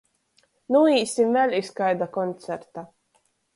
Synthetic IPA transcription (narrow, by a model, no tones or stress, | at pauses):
nuiːsimvɛlʲiskajd̪akɔnt̪sɛɾt̪a